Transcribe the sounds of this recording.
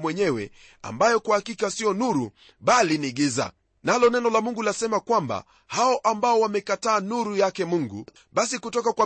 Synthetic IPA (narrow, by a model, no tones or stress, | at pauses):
mwɛɲɛwɛ̰ | a̰mbajɔkwahakikasiɔnuɾu | ɓaliniɠiza̰ | nalɔnɛnɔlamuŋɡulasɛmakwamba̰ | haɔʔambaɔwamɛkataːnuɾujakɛmuŋɡṵ | ɓasikutɔkakwa